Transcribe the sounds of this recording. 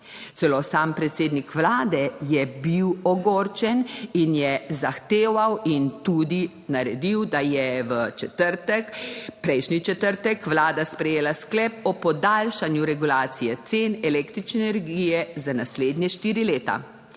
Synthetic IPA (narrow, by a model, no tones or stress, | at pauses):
sɛloːsaːmpɾɛt̪seːd̪nikʋlaːd̪ɛjɛbiwɔɡoːɾt͡ʃɛninjɛzaxt̪eːʋawint̪ud̪i | naɾɛd̪iwd̪ajɛʋə | pɾɛjʃnit͡ʃɛt̪əɾt̪ɛkʋlaːd̪aspɾɛjeːlasklɛp̚ɔpɔd̪alʃanjuɾɛɡulaːt̪sijɛt̪seːnɛlekt̪ɾit͡ʃnɛɛnɛɾɡijɛzanasleːd̪nʲjɛʃt̪iːɾileːt̪a̰